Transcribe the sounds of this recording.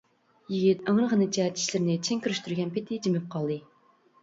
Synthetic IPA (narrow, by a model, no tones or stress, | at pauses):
jiɡʲit̪æŋɾəʁənɨt͡ʃʰɛt̪ʰi̥ʃlɪɾnɪt͡ʃʰeŋkʲyɾyʃt̪yɾɡʲɛnpɪt̪ʰɪd͡ʒimɪp̚qʰɑlˠd̪ɨ